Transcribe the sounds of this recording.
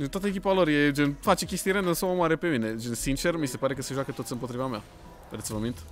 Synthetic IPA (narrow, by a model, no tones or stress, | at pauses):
d͡ʒent̪wat̪əek̬ʲipaloɾjed͡ʒenfat͡ʃe̞kʲe̞st̪ijeɾenɨnsomomaɾe̞pe̞mine̞d͡ʒensint͡ʃe̞rmise̞paɾe̞kəseʒwakət̪ot̪sʲɨmpot̪ɾivamea̰ | ped̪et̪svəmint̪